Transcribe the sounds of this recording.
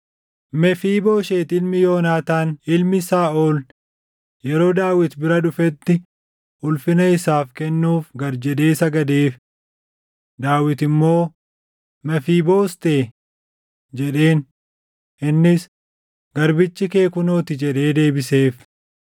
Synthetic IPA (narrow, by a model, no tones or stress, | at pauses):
mɛfiːbo̞ːʃe̞ːt̪ɪlmɪjo̞ːnaːt̪aːnɪlmɪsaːʔoːl | jɛɾo̞ːd̪aːwɪt̪bɪɾɐᶑʊfɛt̪ːɪ | ʊlfɪnɐɪsaːfkɛnːuːfɡɐɾd͡ʒɛᶑ̪e̞ːsɐɡɐd̪eːf | d̪aːwɪt̪ɪmːo̞ː | mɛfiːbo̞ːst̪eː | d͡ʒɛᶑe̞ːn | ʔɪnːɪs | ɡ̥ɐɾbɪt͡ʃːɪke̞ːkʊnoːt̪ɪd͡ʒɛᶑe̞ːd̪e̞ːbɪse̞ːf